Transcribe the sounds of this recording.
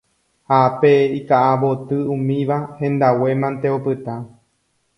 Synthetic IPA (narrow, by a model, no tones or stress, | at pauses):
hapeikaʔaβot̪ɨũmĩʋahẽ̞nd̪awe̞mãnt̪e̞opɨt̪a